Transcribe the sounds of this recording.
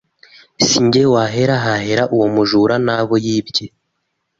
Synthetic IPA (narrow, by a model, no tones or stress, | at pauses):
siɲɟewaɦe̞ɾaɦahe̞ɾaʔuwomuʒuɾanaβojiːbɟe